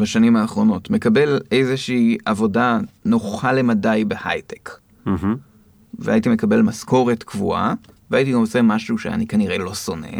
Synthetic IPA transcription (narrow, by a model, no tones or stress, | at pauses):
baʃanimaːχʁo̞no̞tme̞kabe̞lejzeʃiːʔavo̞dano̞χale̞madajbeha̰jte̥k̩ | vea̰itime̞kabe̞lmasko̞ʁe̞tkvṵa̰ | veait̬iɡamot͡semaʃuʃea̰nikaniʁe̞lo̞so̞ne̞̰